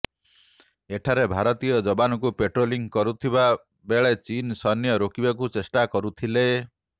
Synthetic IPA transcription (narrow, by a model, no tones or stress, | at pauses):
eʈʰaɾebʱaɾɔt̪ijɔd͡ʒɔbanɔkupeʈɾoliŋkɔɾut̪ʰiba | beɭet͡ʃinsɔnjɔɾokibakut͡ʃesʈakɔɾut̪ʰile